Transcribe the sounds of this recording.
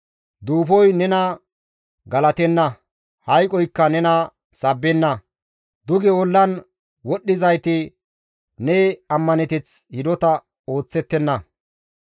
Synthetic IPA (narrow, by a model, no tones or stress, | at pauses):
d̪uːfɔjnɛnɐ | ɡɐlɐt̪ɛnːɐ | hɐjkʼɔjkːɐnɛnɐ | sɐbːɛnːɐ | d̪ʊɡɛɔlːɐn | wɔɗːɪzɐjt̪ɪ | nɛɐmːɐnɛt̪ɛt͡s | hɪd̪ɔt̪ɐ | o̞ːt͡sːɛt̪ːɛnːɐ